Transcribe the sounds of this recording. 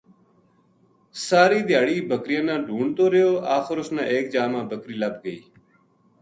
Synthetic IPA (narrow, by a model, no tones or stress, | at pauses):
saːɾiːd̪ɪjaːɽiːbʱəkɾɪjãːnãːɖʱuːɳt̪oːɾɪjoːaːxɪɾʊsnãːʔeːkd͡ʒaːmãːbʱəkɾiːləb̚ɡəḭː